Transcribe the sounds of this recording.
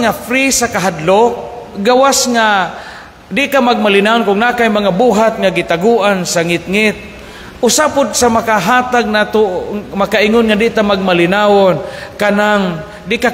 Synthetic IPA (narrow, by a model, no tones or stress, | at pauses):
afɾisakaɦad̪lok | ɡawasŋa | d̪ɪʔkamaɡ̚malɪnaʊnkʊŋnakajmaŋabuːɦat̪̚ŋaɡɪt̪aɡuʔansaŋɪt̪̚ŋɪt̪̚ | ʔʊsapʊd̪̚samakaɦaːt̪aɡ̚nat̪omakaʔiŋʊnŋad̪ɪʔt̪amaɡ̚malɪnaʊnkanaŋ | d̪ɪʔka